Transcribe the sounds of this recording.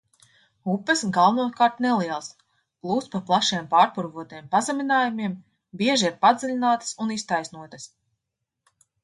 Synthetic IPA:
upːəsɡalˠvunuɔt̪kaːɾt̪nɛlˠiɛlˠs | plˠuːst̪paplˠaʃiɛmpaːɾpuɾvuɔt̪ijɛmpazɛmʲinaːjumiɛm | biɛʒiiɾpad̪zilʲinaːt̪ə̥sunist̪ajsnuɔt̪ɐs

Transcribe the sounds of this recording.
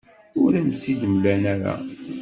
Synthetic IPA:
ʊɾæmsid̪mlænæɾa̰

